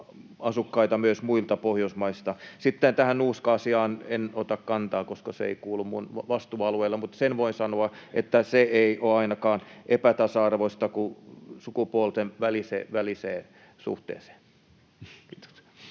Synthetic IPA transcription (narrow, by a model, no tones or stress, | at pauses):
ɑsukːɑit̪ɑmyøsmuilt̪ɑpohjousmɑist̪ɑsit̪ːent̪æhænnuːskɑːsiɑːnenot̪ɑkkɑnt̪ɑːkoskɑseḛikuːlːummunʋɑst̪uːɑlueilːɑmut̪senʋoinsɑnoɑʔḛt̪ːæseeioɑinɑkɑːnʔepæt̪ɑsɑɑrʋoist̪ɑkusukupuolt̪eʋʋælisḛːʋæliseː | sṵht̪ḛːse̥ː | t̪o̥s